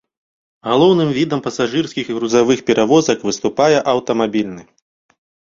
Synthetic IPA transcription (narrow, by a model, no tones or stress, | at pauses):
ɣalˠɔwnɨmvʲid̪ɐmpɐsaʐɨrsʲkʲixiɣɾuzavɨxpʲɛɾʔavɔzɐkvɨst̪upajɛʔɐwt̪ɐmabʲilʲnɨ